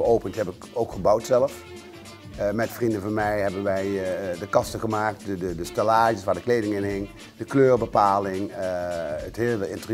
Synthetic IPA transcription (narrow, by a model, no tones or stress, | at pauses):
əowpəntɦɛpɪkowkχəbɑwtsɛləf | mɛtfrindəvɑnmɛjɦɛbənʋɛjdəkɑstəχəmaːk̚tədədəstɛlaːʒəsʋaːɹdəklejdɪŋɪnɦɪŋ | d̥əkløːrbəpaːlɪŋ | ətɦɪːlˠəɪntər